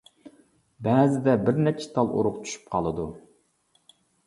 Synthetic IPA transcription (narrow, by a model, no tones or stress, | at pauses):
bɛːzɪd̪ɛbɪɾnɛt͡ʃʰːe̥t̪ʰɑlˠʔo̰ɾʊʁt͡ʃʰy̥ʃy̥pqʰɑlˠɨd̪u